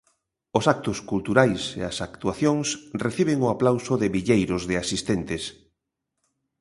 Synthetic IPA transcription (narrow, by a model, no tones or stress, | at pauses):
ʊsak̚t̪ʊskult̪uɾajsḛɐsakt̪uaθjoŋsreθiβ̞eɪŋʊaplawsʊðɪβiʎejɾʊzðɪasist̪ent̪ɪs